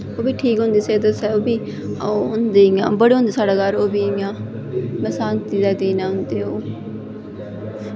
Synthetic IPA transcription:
oːbiːʈʰiːkɦʊ̃nd̪eːseːd̪əsɛːoːbiː | oːɦʊnd̪eːɪjãːbəɽeːõʊnd̪eːsaːɽaːɡəɾoːbiːjãː | mɛ̃ːsaːnt̪iːd̪ɛːd̪iːnãːɦʊ̃nd̪eːoː

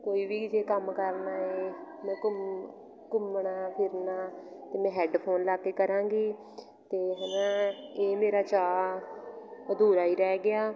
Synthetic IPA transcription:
koːiːbiːd͡ʒeːkəmkəɾnaːeː | mɛ̃ːkʊ | kʊmɳaːpʰɪɾnaːt̪eːmɛ̃ːɦɛːɖpʰoːnlaːkeːkəɾãːŋɡiː | t̪eːɦənãːeːmeːɾaːt͡ʃaː | d̪uːɾaːiːɾɛːɡɪaː

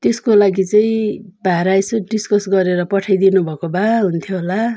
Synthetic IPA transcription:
t̪eskolaɡit͡sʌĩbʱaɾajsuɖiskʌsɡʌɾeɾʌpʌʈʰajd̪inubʱʌkobaɦunt̪ʰjoɦola

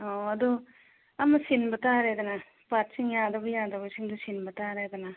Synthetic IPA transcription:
ɔɐd̪u | ɐmɐsinbɐtaɾed̪ɐna | pat̚siŋjadɐbɐjad̪ɐbɐsiŋd̪usinbɐtaɾed̪ɐna

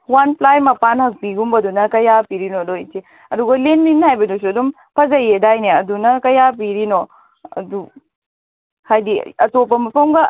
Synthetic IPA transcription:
wanplajmɐpanhɐk̚piɡumbɐdunɐkɐjapiɾinodojti | ɐduɡɐlenːinhajbɐdus̬uɐdum | pʰɐzɐjedajneɐdunɐkɐjap̬iɾino | ɐ̰du | hajdḭɐtopɐmɐpʰɐmɡɐ

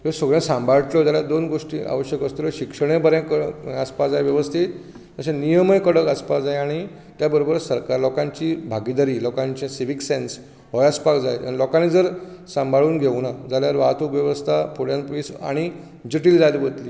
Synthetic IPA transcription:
jesəɡɭjẽsãmbʱaɭʈlɔd͡ʑaljad̪onɡoʂʈḭːa̰ʋəɕjəkəst̪uləɕikʂəɳ̃ẽbəɾẽkəspad͡zajʋjəʋəst̪ʰit̪ | t̪əɕẽnijəməjkəɽəkəspad͡zajaɽ̃i | t̪jabəɾobəɾsəɾkaɾlɔkãɲt͡ɕibʱaɡid̪aɾiːlɔkãɲt͡ɕĩsiʋiksens | ɦɔjaspakd͡zaj̪anilɔkanĩd͡zəɾsãmbʱaɭuːnɡʱeʋnad͡zaljaɾʋat̪ukʋjəʋəst̪ʰapʰoɽjãnpiːsa̰ɽ̃i | d͡ʑəʈiːld͡zad̪bət̪liː

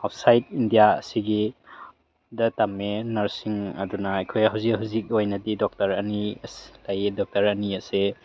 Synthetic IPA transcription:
hawpsajt̚indijaɐ̰siɡi | dɐtamːenɐɾsiŋɐ̰dunɐːjkʰojɦawzikhuwzik̚ojnɐdidɔk̚tɐɾɐnislajedɔk̚tɐɾɐniɐse

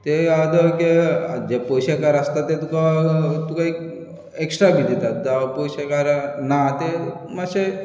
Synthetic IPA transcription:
t̪ead̪əked͡ʒepojɕakaɾəst̪at̪ːet̪ukat̪ukaik | eksʈɾabʱid̪et̪at̪d̪apojɕakaɾnat̪e | maɕe

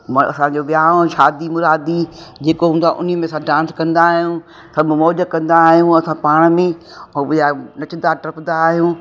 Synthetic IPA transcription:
mɐ̰sãd͡ʑoːɓɪjãːʃaːd̪imʊɾaːd̪id͡ʑeːkoɦũːnd̪aʔʊ̰nijəmẽsãɖãːnskɐ̃nd̪aːɦijũ | sɐbʱʊmɔːd͡ʑəkɐ̃nd̪aːɦijũɐsãpaːɽ̃mẽ | ɔːɾɪjanɐt͡ɕɪd̪aʈɾɐpd̪aːɦijũː

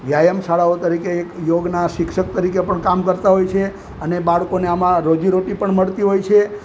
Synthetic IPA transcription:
ʋjajəmsaɭaot̪əɾikeːkjoɡnaʃɪkʃək̚t̪əɾikepəɳkamkəɾt̪aɦojt͡ʃʰe | ənebaɭkoneamãɾod͡ʒiɾoʈipəɳməɭt̪iɦojt͡ʃʰe

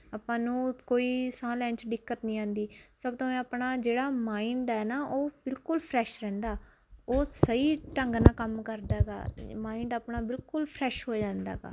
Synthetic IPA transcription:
aːpãːnũːkoːiːsãːlɛ̃ːɲt͡ʃɖɪkːət̪nĩːãːnd̪iːsəbt̪õːɛ̃ːəpɳaːd͡ʒeːɽaːmaːĩːɳɖɛːnaːʔoːbɪlkʊlpʰɾɛːʃɾɛ̃ːnd̪aː | oːsəiːʈəŋɡnãːkəmkəɾd̪aːɡa̰ːmaːĩːɳɖaːpnaːbɪlkʊlpʰɾɛːʃɦoːd͡ʒãːnd̪a̰ːɡa̰ː

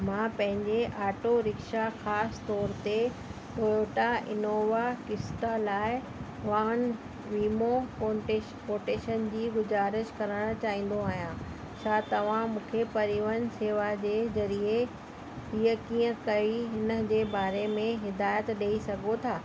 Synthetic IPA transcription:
mãːpɐ̃ɦɪ̃ɲd͡ʑeʔaːʈoɾɪkʃaxaːst̪ɔːɾt̪e | ɗoːoʈaʔɪ̰noːʋakɪst̪alaːɪ | ʋaːn | ʋiːmopoʈe | poːʈeːʃənd͡ʑiːɡʊzaːɾɪʃkɐɾəɽ̃t͡ɕaːɦĩːn̆d̪oaːɦijã | t͡ɕʰaːt̪ɐʋ̤ãmũːkʰepɐɾiʋənseːʋad͡ʑeːzɐɾie | ɦiːəkĩːə̃kɐiɦɪnə̆d͡ʑeːbaːɾemẽɦɪd̪aːjət̪ɗeːisɐɡʱot̪ʰaː

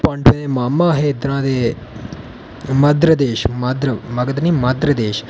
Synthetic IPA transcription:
pə̃ɳɖʰẽːd̪eːmaːmãːɦeːd̪ɾãːd̪eː | məd̪ɾəd̪eːʃməd̪ɾəməɡəd̪niːməd̪ɾəd̪eːʃ

